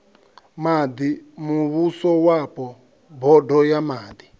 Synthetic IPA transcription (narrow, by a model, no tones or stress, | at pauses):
mad̪imuβusɔwapɔ | bʱɔdʱɔjamaːd̪i